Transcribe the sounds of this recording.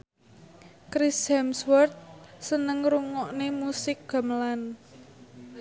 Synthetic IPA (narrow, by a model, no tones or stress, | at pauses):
kɾisamswɔrt̪̚sənəŋruŋɔʔnemusɪk̚ɡ̥a̤məlan